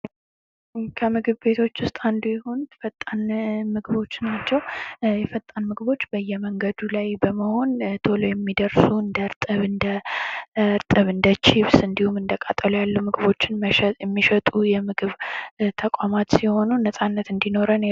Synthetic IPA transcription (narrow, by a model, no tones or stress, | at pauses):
kʰəmɨɡɨβbe̞t̪ʰo̞t͡ʃːwʊst̪ʼand̪ujɛhont̪fət̪ʼːənmɨɡɨβo̞t͡ʃːnat͡ʃːɛwjɛfət̪ʼːanmɨɡɨβo̞t͡ʃːbəjːɛməŋɡəd̪ulajbəməho̞nt̪ʰolojɛmːid̪əɾsuɨnd̪əɾt̪ʼɨβɨnd̪ə | ɾt̪ʼɨβɨnd̪ət͡ʃiβsɨnd̪ihumɨnd̪əkʼat̪ʼːəlujalːumɨɡɨβo̞t͡ʃːɪnməjɛmːiʃət̪ʼujɛmɨɡɨβt̪ʰəkʼamat̪siho̞nunəsʼanːət̪ɨnd̪ino̞ɾən